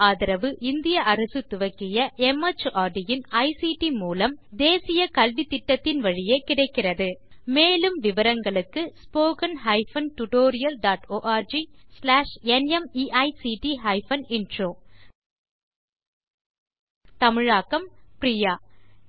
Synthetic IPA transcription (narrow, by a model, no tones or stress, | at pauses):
aːðɪɾɐʋɯʔɪnd̪ɪjɐʔɐɾɐsɯt̪ʊʋɐkːɪjɐʔɛmɐt͡ʃːʔaːɖɪjɪnɐɪsiːʈimuːlɐmd̪eːsɪjɐkɐlʋit̪ːɪʈːɐt̪ːɪnʋɐɻɪjekɪɽɐɪkːɪrɐðɯmeːlɯmʋɪʋɐɾɐŋɡɐɭɯkːɯspoːkɐnɦɐɪfɐnʈʊʈoːɾɪjɐlɖaːʈoːʔaːɾd͡ʒislaːʂɛnɛmiʔɐɪsiːʈiɦɐɪfɐnɪnɖroː | t̪ɐmɪɻaːkːɐmprɪjaː